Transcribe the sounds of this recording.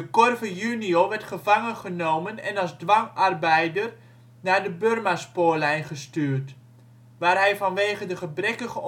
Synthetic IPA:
dəkɔrvəjynioːʋɛrtχəvaŋəχənowmənɛ̰nɑlˠszdʋaŋarbɛjdər | naːɹdəbørmaspoːəlɛjnχəstyːrt | ʋaːrɦɛjvɑnʋeːχəndəχəbrɛkəχə

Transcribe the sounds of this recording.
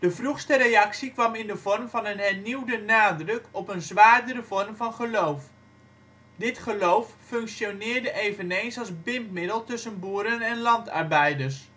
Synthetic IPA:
d̥əvruχstəɾejɑksikʋɑmɪndəvɔrmvɑnənɦɛrniwdənaːdrɵkʰɔpənzʋaːrdəɾəvɔrmvɑnχəlowf | dɪtχəlowfːøŋksjonɪːrdəʔejvənejnsɑlˠzbɪmpmɪdəlˠtɵsənbuːəɾənɛnlɑntɑrbɛjdərs

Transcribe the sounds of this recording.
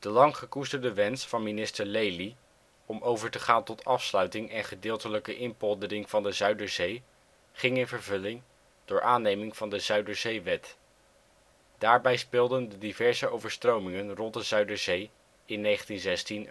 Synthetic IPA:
d̥əlɑŋχəkustəɹdəʋɛnsfɑnminɪstəɹlejli | ɔmowvəɹtəχaːntɔtɑfslœɥtɪŋɛnχədɪːlˠtələkəʔɪnpɔlˠdərɪŋvɑndəzœɥdəɹzej | χɪŋɪnvəɹvɵlɪŋ | d̥ʊːɹʔaːnejmɪŋv̥ɑndəzœɥdəɹzejʋɛt | d̥aːɹbɛjspɪːlˠdəndədivɛɹzəowvəɹstrowmɪŋənrɔnt̚dəzœɥdəɹzej | ɪnːejχəntinzɛstin

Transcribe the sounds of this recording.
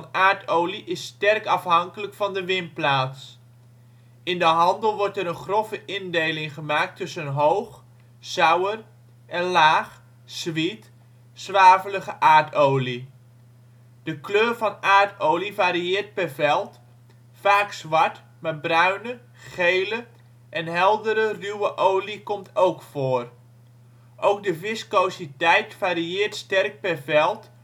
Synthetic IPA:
naːɹtowliʔɪstɛrkɑfɦɑŋkələkfɑndəʋɪnplaːts | ɪndəɦɑndəlˠʋɔɹtɛɾənχrɔfəʔɪndejlɪŋχəmaːk̚tɵsənɦowχ | z̥œwər | ʔɛnlaːχ | z̥ʋit | sʋaːvələχəʔaːɹtowli | d̥əkløːrvɑnaːɹtʰowlivaːɾiɪːrt̚pɛvɛlˠt | faːksʋɑɹt | maːbrœɥnə | χejlə | ʔɛnɦɛlˠdəɾərywəʔowlikɔmtʰowkfoːr | ʔowk̚dəvɪskowsitɛjtfaːɾiɪːrtstɛrk̚pɛvɛlˠt

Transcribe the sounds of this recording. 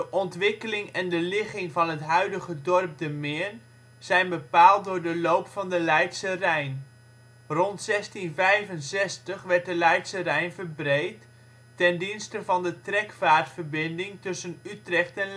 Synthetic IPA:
dəʔɔntʋɪkəlɪŋɛndəlɪχɪŋvɑnətɦœɥdəχədɔrp̚dəmɪn | z̥ɛjnbəpaːlˠt̚dʊːɹdəlowpfɑndəlɛjtsərɛjn | rɔntsɛstinvɛjvənsɛstəχʋɛrt̚dəlɛjtsərɛjnvərbrejtː | ɛndinstəvɑndətrɛkfaːrtfərbɪndɪŋtɵsənytrɛxtɛn

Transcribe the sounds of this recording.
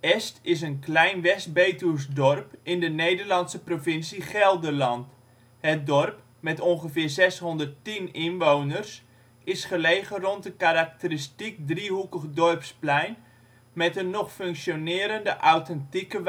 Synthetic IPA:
ɛstɪs̬ənklɛjnʋɛst̚beːtus̬dɔrpɪndənejdərlɑnsəprovɪnsiχɛlˠdəlɑnt | hət̚dɔrp | mɛtɔnχəfɪːrzɛsɦɔndərtinɪnʋownərs | ɪsχəleːɣərɔntəkaɾak̚təristik̚driɦukəχdɔrpsplɛjn | mɛtənːɔχføŋksjonɪːɾəndəʔawtɛntikəʋ

